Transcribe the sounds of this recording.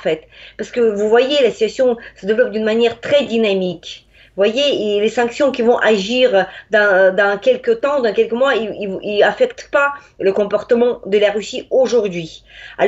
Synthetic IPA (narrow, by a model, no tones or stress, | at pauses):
fɛt̪paʁsə̥kəvuvwajelasit̪ɥasjɔ̃səd̪evlɔp̚d̪ynmanjɛʁt̪χɛd̪inamik | vwajelesɑ̃ksjɔ̃kʲivɔ̃ʔaʒiʁd̪ɑ̃d̪ɑ̃kʲɛlkət̪ɑ̃d̪ɑ̃kʲɛlkəmwaiiilafɛkt̪pa | ləkɔ̃pɔʁt̪əmɑ̃d̪əlaʁysioʒuʁd̪ɥia̰l